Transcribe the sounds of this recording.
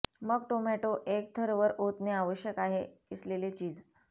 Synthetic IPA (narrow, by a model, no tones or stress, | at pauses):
məɡ̚ʈomæʈoʔek̚t̪ʰəɾʋəɾot̪neaʋəɕjəkaɦeislelet͡ɕiːd͡z